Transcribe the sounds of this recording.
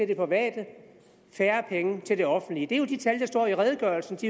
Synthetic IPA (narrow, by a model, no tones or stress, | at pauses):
e̝ld̥e̝pʰʁɒʋɛ̰ːd̥ə | fæːɐpʰeŋət͡sʰe̝ld̥e̝ɒ̽fn̩d̥liəd̥e̝æjo̝d̥it͡sʰæld̥ɑsd̥ɒ̰ːiʁɛð̞ˠəɡ̥ɶɐlsn̩d̥i